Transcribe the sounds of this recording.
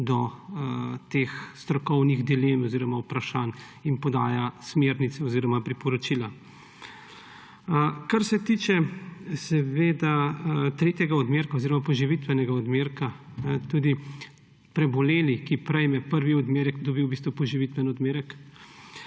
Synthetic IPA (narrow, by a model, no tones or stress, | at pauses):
d̪ɔ | t̪eːxst̪ɾɔkɔwniɣd̪ileːmɔziːɾɔmawpɾaʃaːn | inpɔd̪aːjasmeːɾnit̪sɛɔziːɾɔmapɾipɔɾɔt͡ʃila | kaɾsɛt̪iːt͡ʃɛsɛʋeːd̪at̪ɾeːt̪jɛɡaɔd̪meːɾkaoziɾɔmapɔʒiʋit̪ʋɛnɛɡaɔd̪meːɾka | nɛt̪uːd̪i | pɾɛbɔleːlikipɾɛjmɛpəɾʋiɔd̪meːɾɛkd̪ɔbiwbist̪ʋɔpɔʒiʋit̪ʋɛnɔd̪meːɾɛk